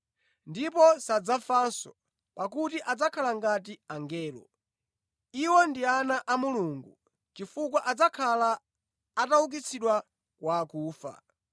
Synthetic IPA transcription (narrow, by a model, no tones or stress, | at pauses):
ndipɔsad͡zafansɔ | pak̬utiʔad͡zakʰalaŋɡat̬iaŋɡɛːlɔ̰ | iwɔndianaʔamuluːŋɡu | t͡ʃifuk̬waʔad͡zakʰalaː | tauk̬it͡sʰiɗwa | kwakuːfa̰